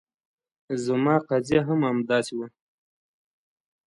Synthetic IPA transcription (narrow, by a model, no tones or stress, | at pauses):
zəmɑːqazjaɦamamd̪ɑsiwə